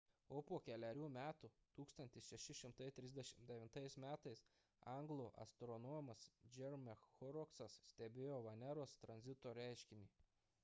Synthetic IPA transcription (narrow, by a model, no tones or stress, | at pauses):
oːpuɔkʲɛlʲɛɾʲuːmʲæːt̪ut̪uːkst̪ɐnt̪ʲɪsʃʲɛʃʲɪʃʲɪmt̪ɐɪt̪ʲɾʲɪzʲd̪ʲɛʃʲɪmd̪ʲɛʋʲɪnt̪ɐɪsmʲæːt̪ɐɪs | ɑŋɡlˠoːʔɐ̰st̪ɾɔnɔmɐsd͡ʒʲɛɾmʲɛxxɔɾɔksɐssʲt̪ʲɛbʲeːjoːʋɐnʲɛɾoːst̪ɾɐnʲzʲɪt̪oːɾʲæˑɪʃʲkʲɪnʲiː